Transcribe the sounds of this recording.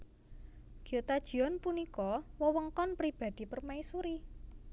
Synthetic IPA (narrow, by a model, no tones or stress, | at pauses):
ɡ̥iot̪ad̥ʒ̥i̤ɔnpunikɔwəwəŋkɔnpɾib̥a̤d̪̥i̤pərmaisuɾi